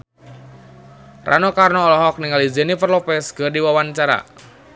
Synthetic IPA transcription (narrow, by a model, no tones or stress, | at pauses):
ra̰nokarnɔːlɔɦɔk̚niŋalizenipərlopɛsɡərdiwawant͡ʃaɾa̰